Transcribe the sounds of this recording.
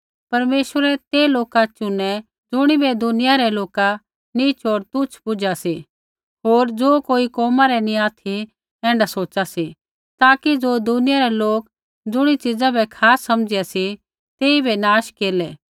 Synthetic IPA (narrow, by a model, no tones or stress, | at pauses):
pɐɾmeːʃwəɾɛt̪eːloːkat͡ʃʊnɛ | d͡zʊɽ̃ibɛd̪ʊnɪjaɾɛloːka | nit͡ʃoːɾt̪ʊt͡ʃʰpʊd͡ʒasi | ɦoːɾd͡zoːkoːikɔːmaɾɛnĩaːt̪ʰi | ɛ̃ːɳɖasoːt͡ʃasi | t̪aːkid͡zoːd̪ʊnɪjaɾɛloːk̚ | d͡zʊɽ̃it͡ʃɪd͡zabʱɛkʰaːsːɐmd͡ʒɪjasi | t̪eːibʱɛnaːʃkeːlɛː